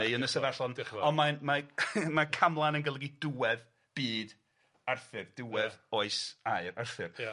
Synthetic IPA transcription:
ejənəsɛvɛrɬɔnɔnmanmamakʰamlˠanənɡəlˠəɡiduwɛð | b̥iːd | arθɪrd̥uwɛðoɨsaɨɾarθɪr

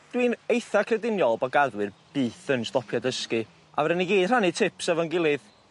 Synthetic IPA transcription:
d̥winejθakʰrɛdɪnjɔlˠbaɡaðwɨrb̥iːθənstɔpʰjadəskɨ | ʔavɛɾəniɡiːd̥r̥anitʰɪpsɛvɔnɡɪlˠɨð

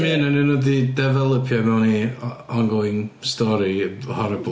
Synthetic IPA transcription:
minənənɔdidɛvɛlˠəpʰjɔmɛwniɔnɡɔɪnstɔɾihɔɾɛbˠ

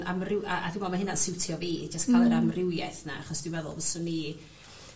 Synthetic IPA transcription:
amrɪwʔaʔaðɪmɔmaɦɪnansɪwtʰiɔviːd͡ʒaskʰalˠɛəɾamrɪwjɛθna̰aχɔsd̥ɪvɛðʊ̰lˠvəsɔni

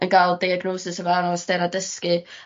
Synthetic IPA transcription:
ənɡalˠdiaɡnoːsɪsəvanɔast̪ɛnadəski

